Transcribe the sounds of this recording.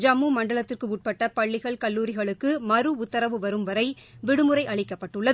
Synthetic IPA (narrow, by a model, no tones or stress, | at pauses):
d͡ʒɐmːumɐɳɖɐɭɐt̪ːɪrkɯʊʈ̚pɐʈːɐpɐɭːɪɣɐɭkɐlːuːɾɪɣɐɭɯkːɯmɐɾɯʊt̪ːɐɾɐʋɯʋɐɾɯmʋɐɾɐɪ | ʋɪɽɯmɯɾɐɪʔɐɭɪkːɐpːɐʈːɯɭːɐð